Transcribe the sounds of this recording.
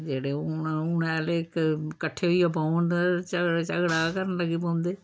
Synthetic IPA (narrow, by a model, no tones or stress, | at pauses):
d͡ʒeːɽeːunɛːlekkəʈʰːeːɦʊiːjap̬aʊɳɖt͡ʃət͡ʃəɡɽaːkəɾənləɡipãːnd̪eː